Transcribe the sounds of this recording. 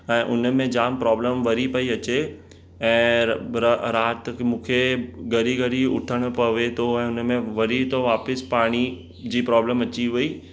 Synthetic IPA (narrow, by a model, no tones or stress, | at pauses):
ɛ̃ːʔʊnəmẽd͡ʑaːmpɾɔːbləmʋɐɾipɐiɐt͡ɕe | ɛ̃ː | ɾaːt̪mũːkʰeɡɐɾiɡəɾiʊ̰ʈʰəɽ̃ʊ̆pɐʋet̪ʰoɛ̃ːʊnəmẽʋɐɾit̪oʋaːpɪspaːɽ̃i | d͡ʑiːpɾɔːbləmɐt͡ɕiʋuiː